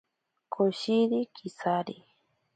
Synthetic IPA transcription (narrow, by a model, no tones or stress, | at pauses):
kʰoʃiɾikʰisaɾi